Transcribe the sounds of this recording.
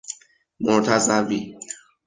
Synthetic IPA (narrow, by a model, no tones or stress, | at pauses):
mot̪ʰazabi